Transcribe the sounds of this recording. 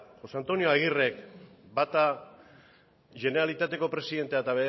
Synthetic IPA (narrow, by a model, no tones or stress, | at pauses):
xo̞sant̪o̞nioaɣ̞ire̞kbat̪a | ʝe̞nealit̪at̪e̞ko̞pɾe̞siðe̞nt̪eat̪aβe